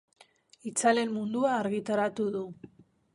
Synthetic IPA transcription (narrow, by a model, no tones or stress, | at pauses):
it͡sale̞mmund̪uaːɾɣit̪aɾat̪uðu